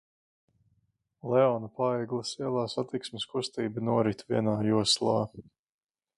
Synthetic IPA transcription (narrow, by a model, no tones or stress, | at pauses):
lɛɔnapaɛːɡlˠɐsiɛlˠaːsat̪iksmeskust̪iːbɨnuɔɾit̪viɛnaːjuɔslˠa̰ː